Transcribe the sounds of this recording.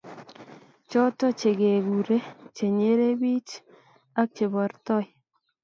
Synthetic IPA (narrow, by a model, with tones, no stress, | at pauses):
t͡ʃɔ˦tɔ˦t͡ʃe˨ɡe˨ɡu˨ɾe˦t͡ʃe˨ɲe˦ɾe˦bi˦t͡ʃ | a˦k̚t͡ʃe˨bɔ˨ɾt̪ɔ˦˨j